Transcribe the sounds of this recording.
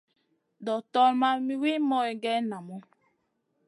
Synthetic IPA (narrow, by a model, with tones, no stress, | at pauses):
dɔ˨tɔ˦lma˦mi˦wi˦mɔ˦e˨ɡɛ˦na˨mɔ˦